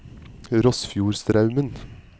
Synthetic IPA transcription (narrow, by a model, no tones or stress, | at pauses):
ɾɔsfjuːɾst̪ɾɑʉmən